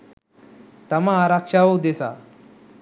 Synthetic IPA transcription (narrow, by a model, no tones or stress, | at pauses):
t̪əmaːɾakʂaod̪esa̰